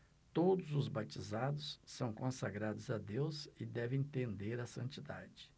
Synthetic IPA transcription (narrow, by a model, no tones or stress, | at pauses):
t̪od̪ʊzʊzbat͡ʃizad̪ʊsːɐ̃w̃kõsaɡɾad̪ʊzɐd̪ewzɪd̪ɛvẽj̃t̪ẽnd̪eɾɐsɐ̰̃nt͡ʃid̪a̰d͡ʒɪ